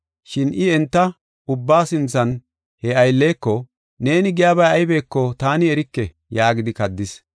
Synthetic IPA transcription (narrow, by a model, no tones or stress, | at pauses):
ʃɪnʔɪɛnt̪ːɐ | ʊbːaːsɪnt͡sːɐn | hɛɐjlːe̞ːkːɔ | ne̞ːnɪɡɪjaːbɐjɐjbe̞ːkːɔt̪aːnɪɛɾɪkːɛ | jaːɡɪd̪ɪkɐd̪ːɪs